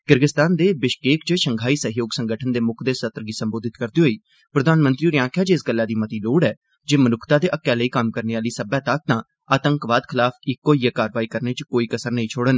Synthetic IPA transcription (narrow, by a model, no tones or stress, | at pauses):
kɪɾɡɪst̪aːnd̪eːbɪʃkeːkt͡ʃəʃəŋɡʱaːiːsəɦjoːɡsə̃ŋɡəʈʰənd̪eːmʊkʰd̪eːsət̪ɾəɡiːsəmboːd̪ɪt̪kəɾd̪iːɦoːiː | pɾəd̪aːnmə̃nt̪ɾiːɾɪjãːŋkʰaːt͡ʃɪsɡəlːaːd̪iːmət̪iːloːɽɛː | d͡ʒeːmənʊkʰt̪aːd̪eːʔəkːɛːləiːkəmkəɾneːaːliːsəbɛ̃ːt̪ək̚t̪ãː | aːt̪əŋkʋaːd̪kʰɪlaːpʰɪkːoːijaːkaːɾʋaːiːkəɾneːt͡ʃkoːiːkəsəɾnəĩːt͡ʃʰoːɽən